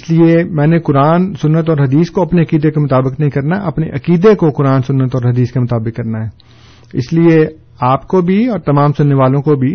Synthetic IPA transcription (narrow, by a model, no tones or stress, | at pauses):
ɪsliemɛ̃ːnekʊɾaːnsʊnːət̪ɔːɾɦɐd̪iːskoɐpneɐkiːd̪ekemʊt̪aːbɪknɐɦĩkɐɾnaʔɐpneʔɐkiːd̪ekokʊɾaːnsʊnːət̪ɔːɾɦɐd̪iːskemʊt̪aːbɪkːɐɾnaɦɛː | ɪ̰slie | aːpkobʱiɔːɾt̪ɐmãːmsʊnːeʋaːlõkobʱi